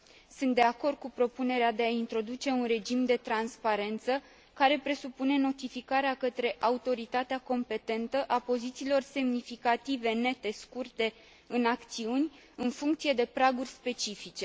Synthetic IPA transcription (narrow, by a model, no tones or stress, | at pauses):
sɨnt̪d̪e̞ako̞rd̪̚kupɾo̞pune̞ɾead̪e̞aint̪ɾo̞d̪ut͡ʃe̞unre̞d͡ʒimd̪e̞t̪ɾanspaɾe̞nt̪sə | kaɾe̞pɾe̞supune̞no̞t̪ifikaɾeakət̪ɾe̞ʔaut̪o̞ɾit̪at̪eako̞mpe̞t̪e̞nt̪əʔapo̞zit̪siːlo̞rse̞mnifikat̪ive̞ne̞t̪e̞skurt̪e̞ | ɨnakt̪siunʲ | ɨnfuŋkt̪sie̞d̪e̞pɾaɡurʲspe̞t͡ʃifit͡ʃe̞